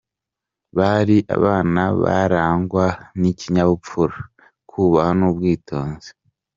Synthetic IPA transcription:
βaɾiʔa̰βaːnaβa̰ɾaːŋɡwaniciɲaβupp͡fuɾa | kʰuːβahanuːbɡiːtʰo̞ːnze̥

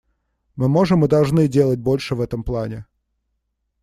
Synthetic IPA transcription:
mɨmoʐɨmɨd̪ɐlˠʐnɨdʲelˠət̚ʲbolʲʂɨvɛt̪əmplˠanʲɪ

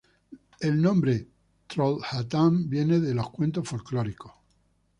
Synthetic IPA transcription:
elnõ̞mbɾe | t̪ɾolhat̪ambje̞neðelo̞hkwe̞nt̪ofolkloɾiko

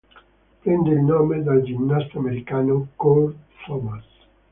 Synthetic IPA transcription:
pɾend̪eilnɔmed̪ald͡ʒinːast̪ameɾikanokold̪sɔbas

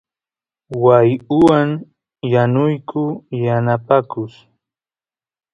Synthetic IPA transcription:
wajʊwaŋ | janʊjkʊjanapakʊs

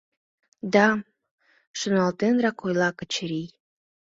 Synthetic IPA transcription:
d̪ɑ | ʃunɑlˠt̪enɾɑkojlˠɑkə̆t͡ɕɾij

